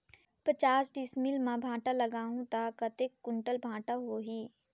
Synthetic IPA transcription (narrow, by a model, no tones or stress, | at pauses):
pət͡ʃaːsɖɪsmɪlmãbʱãːʈaləɡaːɦũt̪akɐt̪ekːʊ̃ɳʈəlbʱãːʈaɦoːɦiː